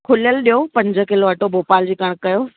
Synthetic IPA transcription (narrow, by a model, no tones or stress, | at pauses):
kʰʊljəlɗijopɐ̃ɲd͡ʑʱə̆kɪloɐʈoboːpaːld͡ʑiːkɐɽ̃kɐjoː